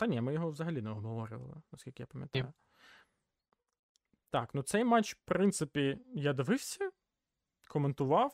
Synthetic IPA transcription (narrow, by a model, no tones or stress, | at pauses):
t̪ɐnʲɛmɪjɔɦɔʋzɐɦɐlʲinɛɔɦɦɔʋɔɾʲɪ̰ʋɐ̰lˠɪ̰nɐskʲilʲkʲɪjapɐmjɐt̪jʊ | t̪ɑknut̪sɛjmat͡ʃpɾɪnt̪sɪpʲijɐd̪ʋɪwsʲɐ | kʰɔment̪ʊʋɑw